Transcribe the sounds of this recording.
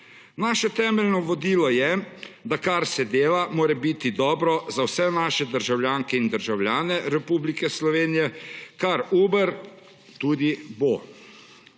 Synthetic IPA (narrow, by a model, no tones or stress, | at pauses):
naːʃɛt̪ɛːmɛlnɔʋɔd̪iːlɔjɛd̪akaɾsɛd̪eːlamoːɾɛbit̪id̪ɔːbɾɔzawsɛnaːʃɛd̪əɾʒawljaːŋkɛind̪əɾʒawlʲjaːnɛɾɛpuːblikɛslɔʋeːnijɛkaɾuːbəɾ | t̪uːd̪ibo